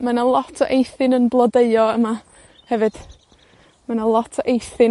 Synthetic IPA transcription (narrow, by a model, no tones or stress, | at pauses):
manalˠɔtʰɔʔejθɨnənblˠɔdeɨɔəma | hɛvɨd̥ | manalˠɔtʰɔʔejθɨn